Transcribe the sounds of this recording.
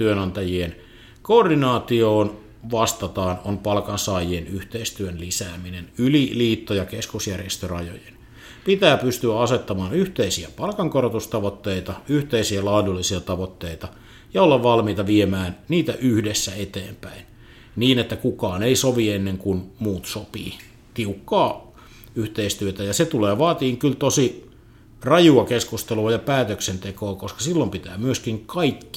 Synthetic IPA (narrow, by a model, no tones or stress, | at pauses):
t̪yønɑnt̪ɑjien | koːrdinɑːt̪ioːn | ʋɑst̪ɑt̪ɑːnonpɑlkɑnsɑːjienyht̪eist̪yønlisæːminenyliliːt̪ːojɑkeskusjærjest̪ørɑjo̰jen | pit̪æːpyst̪yæɑset̪ːɑmɑːnyht̪eisiæpɑlkɑŋkorot̪ust̪ɑʋot̪ːeit̪ɑyht̪eisiælɑːdulːisiɑt̪ɑʋot̪ːeit̪ɑ | jɑolːɑʋʋɑlmiːt̪ɑʋiemæːnniːt̪æ̰ʔyhdesːæet̪eːmpæin | niːnet̪ːækukɑːneisoʋienːeŋkunmuːt̪sopḭː | t̪iukːɑː | yht̪eist̪yøt̪æjɑset̪uleːʋɑːt̪iːŋkylt̪osi | rɑjuɑkeskust̪eluɑjɑpæːt̪øksent̪ekoːkoskɑ̥silːompit̪æːmyøskiŋkɑikːi̥